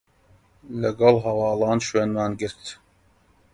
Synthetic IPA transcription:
læɡɑlˠɦɑwɑːlɑːnʃweːnmɑːnɡɨɾt̪

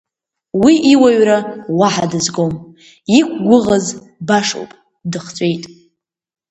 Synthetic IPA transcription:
wiʔiwaɥrawaħadɨzɡom | ik̚ʷʰʼɡʷʊʁaz | baʂo̰wpʼ | dɨχt͡sʷʼe̞jtʼ

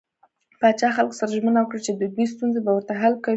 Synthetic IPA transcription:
pɑt͡ʃɑxalko̥saɾaʒmənawəkɽat͡ʃed̪əd̪wis̬t̪unzebawəɾt̪aɦalkawi

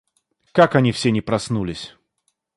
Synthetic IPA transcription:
kakɐnʲifsʲenʲɪpɾɐsnulʲɪsʲ

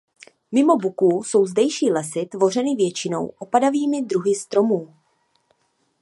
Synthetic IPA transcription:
mɪmo̞bukuːso̞wzdɛjʃiːlɛsɪt̪vo̞r̝ɛnɪvjɛt͡ʃɪno̞̰wʔo̞padaviːmɪd̪ɾuɦɪst̪ɾo̞muː

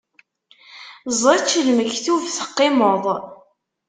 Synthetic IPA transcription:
zˤɑt͡ʃːəlməçθuvθə̥qːɪmoðˤ

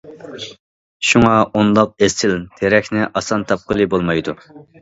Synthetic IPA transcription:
ʃuŋɑʔond̪ɑq̚esɪlt̪ʰeɾɛkʲnɪʔɑsɑnt̪ʰɑp̚qəlˠɨbolˠmɑjd̪u

